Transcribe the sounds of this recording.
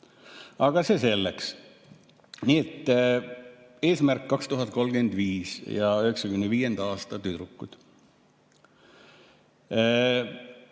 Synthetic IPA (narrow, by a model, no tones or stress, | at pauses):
ɑɡ̥ɑsese̞lːeks | niːet̪ːˑ | e̞ːsmærkːɑkst̪uɦɑt̪̚ˑko̞lɡ̥e̞nd̪̥viːsjɑøheksɑkymeneviːje̞nd̪̥ɑɑːst̪ɑt̪yd̪ɾukːˑud̪̥